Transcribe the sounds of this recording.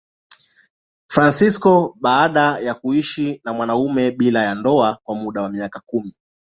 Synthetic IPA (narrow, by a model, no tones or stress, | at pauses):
fɾansiskɔɓaːɗajakuiʃinamwanaumɛɓilajandɔakwamuɗawamiakakumi